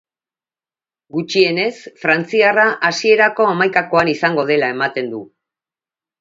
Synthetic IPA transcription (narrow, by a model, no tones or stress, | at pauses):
ɡut͡ʃie̞ne̞sfɾant͡siaraʔasie̞ɾako̞amajkako̞anisaŋɡo̞ð̞e̞lae̞mat̪e̞nd̪u